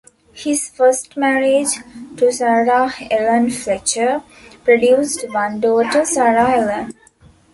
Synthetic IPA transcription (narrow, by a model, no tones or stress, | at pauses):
hisfəsʈmæɾed͡ʒʈusaɾaːhelə̃nflɛt͡ʃə | pɾoɖjuːsʈʋãnɖoːʈəsaɾaelə̃n